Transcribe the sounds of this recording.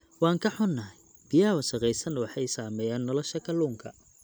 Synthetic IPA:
wɑːŋkʰɐħʊnːɐɦɛj | b̥ɪjaːwɐʃɐqɛjsɐnwɑħɑjsaːmɛːjaːnːɔlɔʃɐkʰɐluːŋkʰɐ̰

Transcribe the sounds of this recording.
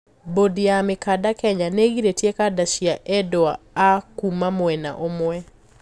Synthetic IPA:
bodiamɪkadakɛɲaneɡiɾetjekadaʃiaʔɛdɔaakumamwɛna̰ʔomwɛ

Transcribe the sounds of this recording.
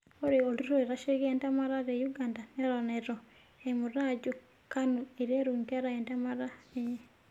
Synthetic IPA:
oɾeoluɾoeɾaʃeɣentamaɾaɾejuɡandaneɾoneɾo | emuɾad͡ʒu | kanueɾieɾuːŋɡaɾaentamaɾae

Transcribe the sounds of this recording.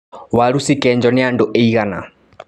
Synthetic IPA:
waɾusikɛnd͡ʒɔnɛanduʔeiɣana̰

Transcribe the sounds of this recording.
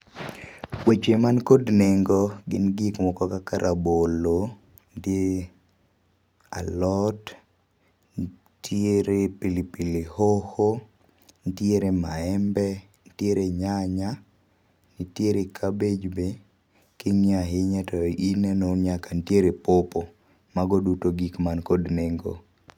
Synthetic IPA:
wet͡ʃemankodneŋɡɔɡɪnɡikmɔkɔkakaɾʔabolo | ndje | a̰lɔt | tjeɾepilipilihoho | ntjeɾemaɛmbɛ | ntjeɾeɲaɲa | nitjeɾekʰabed͡ʒbe | kɪŋiaɦeɲatɔinɛnonɲakantjeɾepopo | maɡɔdutoɡikmankodneŋɡo̰

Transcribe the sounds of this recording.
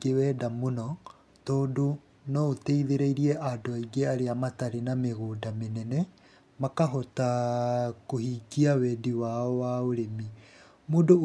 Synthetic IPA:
ɡewɛdamonɔ | toːdo | nɔoteiðeɾeiɾiɛʔadoaiɡeaɾeamataɾenameɣoːdamenɛnɛ | makaɦɔta | kohiːkiawɛdiwaɔwaoɾemi | muːdo

